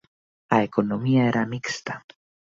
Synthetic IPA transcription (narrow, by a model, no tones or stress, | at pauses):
aekonomiaeɾʔamikst̪a